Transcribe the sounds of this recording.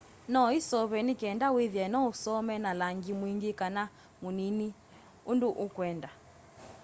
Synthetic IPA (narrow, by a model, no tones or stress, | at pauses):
nɔisɔβɛnikɛndawiðjɛnɔusɔmɛnalaŋɡimwiŋɡikana | munini | unduʔukwɛnda